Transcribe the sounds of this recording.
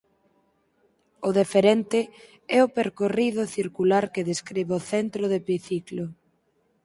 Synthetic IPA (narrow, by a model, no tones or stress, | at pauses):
ʊðefeɾent̪ɪ | ɛʊpeɾkorið̞ʊθiɾkulaɾkɪðeskɾiβeoθɛnt̪ɾʊðepiθiklʊ